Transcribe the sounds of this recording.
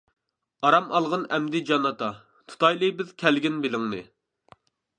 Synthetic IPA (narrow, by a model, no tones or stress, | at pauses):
ɑɾɑmɑlˠʁənɛmd̪ɪd͡ʒɑnːɑt̪ɑ | t̪ʰu̥t̪ʰɑjlˠɨbɪzkʲʰælɡʲinbelɪŋnɨ